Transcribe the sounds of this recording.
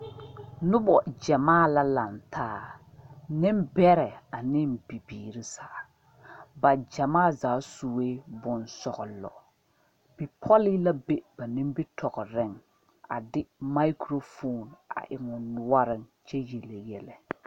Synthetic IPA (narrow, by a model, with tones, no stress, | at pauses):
nʊ˦bɔ˨d͡ʒɛ˨maː˦˨la˦la˨ntʰaː˦˨ | nɪ˦mbɛ˦ɾɛ˨a˨nɪ˦mbi˨biː˨ɾi˦sa˨ | ba˨d͡ʒɛ˨maː˦˨zaː˨˦su˨weː˦bʊ˨nsɔ˨ɣʊ˨lɔ̰˨ | b̥i˨pʰɔ˦li˦la˦be˦b̥a˨ni˦mbɪ˦tʰɔ˨ɣɔ˨ɾɪ˦˨ŋ | a̰˨dɪ˦ma˦i˦kɾo˦fo˦˨na̰˨ʔɪ˨ŋʊ˨nʊ˨wa˦ɾɪ˦ŋt͡ʃɛ˦je˨le˨jɛ˨lɛ˨